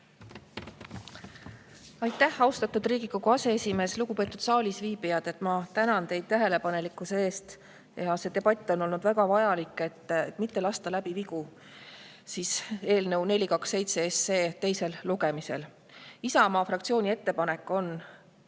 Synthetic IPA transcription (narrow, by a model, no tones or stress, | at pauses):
ɑjt̪ˑːæhɑwst̪ɑt̪ːud̪riːɡ̥ikoɡuɑse̞esʲime̞ːsluɡ̥upe̞ːt̪ːˑud̪̥sɑːlʲisviːbijɑd̪̥e̞t̪ːˑmɑt̪ænɑnt̪e̞jd̪̚t̪æɦe̞le̞pɑne̞likːˑuse̞e̞ːst̪ | jɑse̞t̪e̞bɑt̪ʲːˑo̞no̞lnud̪̥væɡ̥ɑvɑjɑlikːˑe̞t̪ːt̪mit̪ːe̞lɑst̪ɑlæb̥iviku | siːse̞ːlnə̞wne̞lʲikɑkse̞jt̪seese̞ːt̪e̞jse̞lluɡe̞mise̞̰l | isɑmɑːfɾɑkt̪sio̞ːnʲie̞t̪ːe̞pɑne̞kːˑo̞n